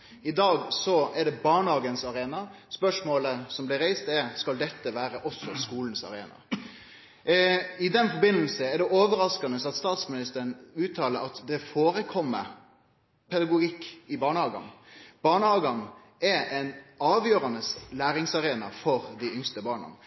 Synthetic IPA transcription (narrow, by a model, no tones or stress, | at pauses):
ɪd̪ɑːɡsɔɛɖɛbɑːɳəhɑːɡənsɑɾeːnɑspœʂmoːləsɔmblɪɾæɪst̪ɛɾskɑld̪ɛt̪ːəʋæːɾəʔɔsɔskuːln̩sɑ̰ɾeːnɑ̰ | ɪd̪ɛnfɔbɪnəlsəɛɖɛʔoːʋəɾɑskɑnəsɑt̪st̪ɑːt̪smɪnɪst̪əɾəɳʉːt̪ʰːɑːləɾɑt̪d̪ɛfoːɾəkʰɔmːə | pʰɛd̪ɑɡʊɡɪkːɪbɑːɳəhɑːɡɑ̰nb̥ɑːɳəhɑːɡɑn | ɛɾɛnɑːʋjøːɾɑnəslæːɾɪŋsɑɾeːnɑfɔɾd̪ɪʏŋst̪əbɑːɳɑ̰n